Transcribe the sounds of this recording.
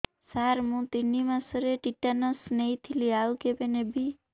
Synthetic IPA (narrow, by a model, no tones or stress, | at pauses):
saɾmũt̪inːimãsəɾeʈiʈːanəsnejt̪ʰiliaukebenebʱi